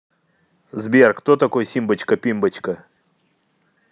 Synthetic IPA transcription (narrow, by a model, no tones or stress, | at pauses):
zbʲerkt̪ot̪ɐkojsʲimbət͡ɕkɐpʲimbət͡ɕkɐ